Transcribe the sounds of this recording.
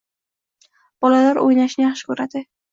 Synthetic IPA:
b̥ɒlalaɾo̰jnaʃnɪjaχʃɪ̥kʰɵɾad̪ɪ

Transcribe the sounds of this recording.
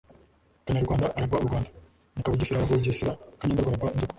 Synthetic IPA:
kaɲaɾuɡwaːndaʔaɾibauɾɡwaːndḁ | nikaβuɟisiɾakaɡouɟisiɾakaɲandaɡaɾabanzuk

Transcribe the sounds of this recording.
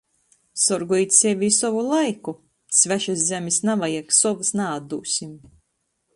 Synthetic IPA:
sɔɾɡujt̪sʲɛvʲiːsɔvulˠajku | svʲæʃaszʲæmʲisnavajɛksɔvɨsnaːd̪ṵːsʲim

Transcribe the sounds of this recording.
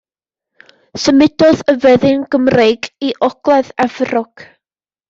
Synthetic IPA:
səmɪdɔðəvɛðɪnɡəmrejɡiʔɔɡ̥lˠɛðɛvrɔɡ̥

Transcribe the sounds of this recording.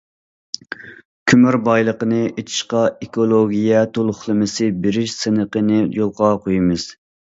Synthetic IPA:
kʲʰymyɾbɑjlˠəqənɨʔet͡ʃ̪ʰi̥ʃqɑekolˠoɡʲijɛt̪ʰolˠʊχlˠɨmɪsɪbeɾɪʃsɨnəqənɨjolˠqɑqʰojmɨz̥

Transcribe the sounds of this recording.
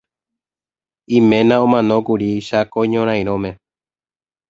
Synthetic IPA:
ĩmẽnãõmãnõkuɾiʃakoɲõɾ̃ãj̃ɾ̃õmẽ

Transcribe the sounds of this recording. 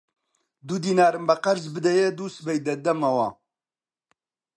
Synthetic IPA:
d̪ud̪iːnaːɾɨmbɛqɐɾzbɨd̪ɛjɛd̪usbɛjd̪ɐd̪ɐmɐwɑ̰ː

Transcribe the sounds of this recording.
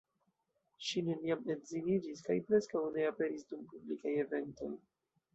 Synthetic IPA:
ʃine̞niamezinid͡ʒiskajpɾe̞skawne̞ape̞ɾisdumpublikaje̞ve̞nto̞̰j

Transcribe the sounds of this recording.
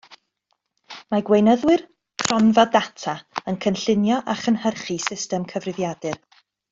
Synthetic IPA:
maɡwejnəðwɨr | kʰrɔnvadatʰaənkʰənɬɪnjɔʔaχənhərχisɪstɛmkʰəvrɪðjadɨr

